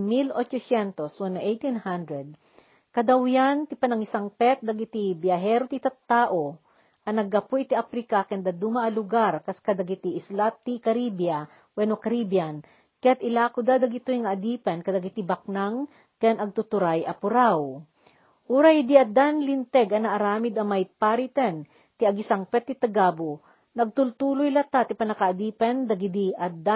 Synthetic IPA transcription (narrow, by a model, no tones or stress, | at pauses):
milʔot͡ʃosjɛnt̪oswanːɐʔejt̪inhand̪ɾɛd̪̚ | kɐd̪awjant̪ɪpɐnɐŋɪsaŋpɛt̪̚d̪ɐɡɪt̪ibjɐɦɛːɾot̪it̪at̪ːaːʔo | ʔɐnɐɡɐpoʔɪt̪iʔapɾikakɛnd̪ad̪umaʔːlʊɡaɾkɐskɐd̪ɐɡit̪iʔɪslat̪ːikɐɾibjɐ | wɛnokɐɾibjan | kɐjat̪ɪlakʊd̪ad̪ɐɡit̪ojŋɐʔːd̪ipɛnkɐd̪ɐɡit̪ibɐk̚naŋ | kɛnɐɡ̚t̪ʊt̪ʊɾajʔɐpʊɾaw | ʔuːɾahid̪iɐd̪anlɪnt̪ɛɡɐnɐʔːɾaːmɪd̪ɐmajpaɾit̪ɛn | t̪ɪɐɡɪsaŋpɛt̪ːɪt̪ɐɡabo | nɐɡ̚t̪ʊlt̪uːlojlɐt̪at̪ipɐnɐkaʔɐd̪iːpɛnd̪ɐɡid̪iʔɐd̪a